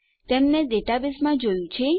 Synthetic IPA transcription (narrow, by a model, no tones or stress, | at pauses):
t̪emneɖeʈabismãd͡ʒojũt͡ʃʰe